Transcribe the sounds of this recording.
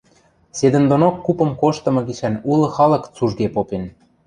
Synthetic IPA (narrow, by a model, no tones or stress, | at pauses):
sed̪ə̆nd̪onokːupɤ̆mkoʃt̪ɤ̆mɤ̆ɡiʃænulɤ̆xɑlɤ̆kt͡suʒɡepopen